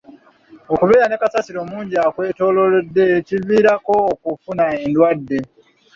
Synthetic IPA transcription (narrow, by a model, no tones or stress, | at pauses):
okuβeːɾane̞kasasiɾo̞muːɲɟiaːkwe̞ːto̞ːlo̞ɾedːe̞civiːɾako̞ːkufunaendwadːe̞